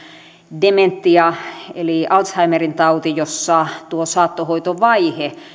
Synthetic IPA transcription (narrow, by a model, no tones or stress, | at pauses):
dement̪ːiɑeliʔɑlt̪shɑimerint̪ɑut̪ijosːɑt̪uosɑːt̪ːohoit̪oʋɑihe